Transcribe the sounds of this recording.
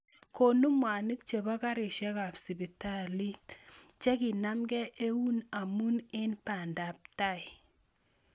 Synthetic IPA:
ko˨nu˦mwa˨ni˦k̚t͡ʃe˨ba˦ka˦ɾɪ˨ʃɛ˦ka˨psi˨bi˨ta˦li˦t | t͡ʃɛ˦ki˨na˦mɡɛ˦ʔe˦wu˦na˨mu˦nɪ˦npa˨nda˨p̚ta˦˨i˨

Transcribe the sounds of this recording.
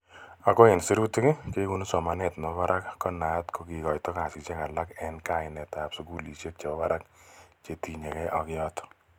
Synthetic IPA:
a˨kɔ˦ɪ˨nsi˦ɾu˦tu˦ke˦ke˦ku˦nsɔ˨manɛ˨tmɔβaɾʔa˦kkːɔ˦na˨tko˨ki˨kɔ˨jtɔ˦ka˨sɪ˨kt͡ʃe˦ka˨la˦kɛnka˦ɪ˨nɛ˨tapsu˦ku˦li˨sje˦k̚t͡ʃe˨bɔ˦ba˦ɾa˦kt͡ʃe˨ti˨ɲe˨kɛ˦ʔɔ˨kɪ˦jɔtɔ̥

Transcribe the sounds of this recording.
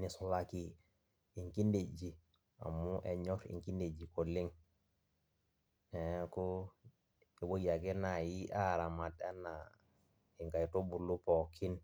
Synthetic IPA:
ni˨so˨laki˦ | i˨ŋki˦nde˨d͡ʒi˨ | a̰˨mːu˦ʔe˨ɲɔ˦ɾḭ˨ŋki˦nde˨d͡ʒi˨ko˨li˦ŋ | ɛko˦ | e˨bo˦ja˨ɡe˦na˨ji˦ʔa˦ɾa˨ma˨ta˦na˨ | i˨ŋka˨jto˦bu˨lu˦po˨kʰi˦n

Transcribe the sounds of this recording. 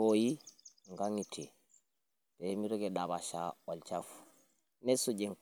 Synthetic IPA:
oji˦ŋɡa˦ŋi˨tʰe˨ | b̥emi˦ɾo˦ɡe˨da˨ba˨ʃa̰o˨lt͡ʃafu̥ | ne˦su˦ɟe˨ŋ

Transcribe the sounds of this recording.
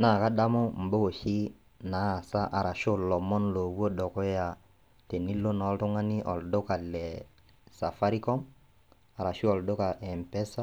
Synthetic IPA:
na˨ka˦da˦mɔ˦m̩˨bo˦ko˨ʃi˦ | na˨˦˨sa˦ʔa˨ɾa˨ʃo˦lɔ˨mɔ˦nlo˨wo˦dɔ˨kɔ˦ja˨ | te˨ni˦lo˦nɔ˨˦ltɔ˦ŋa˦ni˦ʔɔ˨ldo˦ka˨lɛ˨ | sa˨fa˦ɾi˦kɔ˦m | a˨ɾa˨ʃu˦ɔ˨ldo˦ka˨ʔɛ˨mpɛ˦sa˦

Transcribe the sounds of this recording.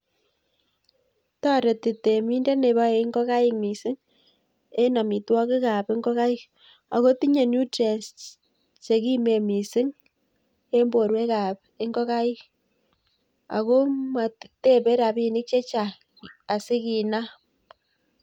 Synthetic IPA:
ta˦ɾe˨ti˨te˨mi˦nde˦ne˨βa˦e˨˦ŋɡɔ˦ka˦ɪ˦kmi˨sɪ˦ŋ | e˦na˨mi˨twɔ˦kɪ˦ka˨pe˦ŋɡɔ˦ka˦ɪ˦k | a˨ɣo˦ti˦ɲe˨nu˦tɾe˨st | t͡ʃe˨ki˦me˨mi˨sɪ˦ŋ | e˦mbo˨ɾwe˦ka˨p | e˦ŋɡɔ˦ka˦i˦k | a̰˨ɣo˦ma˨te˦be˦ɾa˨bi˦nɪ˦k̚t͡ʃe˦t͡ʃaː˨ | sɪ˦ki˨na˦

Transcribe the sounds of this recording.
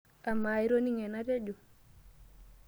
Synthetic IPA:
a˨ma˨jɾo˦ni˦ŋɛ˨na˦ɾe˦d͡ʒo˨

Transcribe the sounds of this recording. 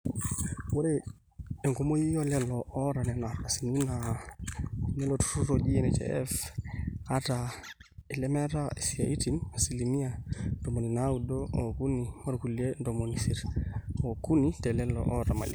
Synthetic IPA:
wo˦ɾe | e˨ŋko˦mo˦ji˦jɔ˦lɛ˦lɔ˨ʔɔ˦ɾa˨nɛ˨na˨ɾasi˨ni˦na | nɛ˦lotu̥˦tuɾod͡ʒi˦ɛnɛt͡ʃɛ̰ɛ̰˦f | ata | i˨lɛ˦mɛ˦ɾae˨sia̰˨i˦ti˨nasi˨limi˦ado˨mo˨ni˨naudoo˨ku˦ni˨mo˦ɾku˨lie˦ndomonisiɾo˨ku˦nitɛ˨lɛ˦lɔ̰ʔɔ˦ɾama̰˨lḭ

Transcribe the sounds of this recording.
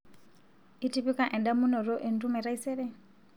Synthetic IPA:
i˦ti˦βi˦ka˨ʔɛ˨nda˦mu˦nɔ˨ɾɔ˦ʔɛ˨ntʼu˦mɛ˨ɾa˦i˦sɛβɛ˦

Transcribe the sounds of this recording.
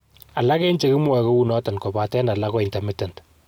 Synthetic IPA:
a˨la˦kɛ˦nt͡ʃe˦kɪ˦mwɔ˨ko˦wu˦nɔ˦ta˨nko˨ba˨tɛ˦na˨la˦kɔ˦ɪ˨nta˨mi˦ta˨nt

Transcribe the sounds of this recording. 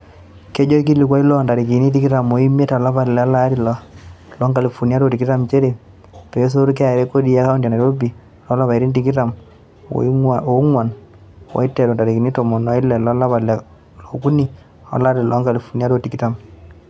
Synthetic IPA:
ke˦d͡ʒo˦k̬i˦li˨kwa˦i˦lɔ˦˨nda˨ɾi˨k̬i˨ni˦t̬i˦ki˦ta˨mo˨i˦me˦ta˨la˦pa˨lɛ˨a˦la˦ɾi˨lɔ˨lɔ˦ŋɡa˨li˨fu˨ni˦a˦to˨ti˨ki˦ta˨mt͡ʃe˦ɾe˨ | pe˨˦s̬o˦ɾk̬ɛ˦a˨ɾe˦ko˦di˦a˦ka˦u˦nda˨na˨ɾo˦bi˨ | lɔ˦la˦βa˨i˨ɾi˦nti˨ki˦ta˨m̰ | o˦ŋwa˨n | wa̰˨˦i˦tːɛ˨ɾo˨nda˨ɾi˨ki˨ni˦to˨mo˨nɔ˨˦i˦lɛ˨lɔ˦la˦βa˨lɛ˨ | lo˨ku˦ni˨ | a̰˨˦la˦ɾi˨lʔɔ˨˦ŋɡa˨li˨fu˨nja˦to˨ti˨ki˦ta˨m

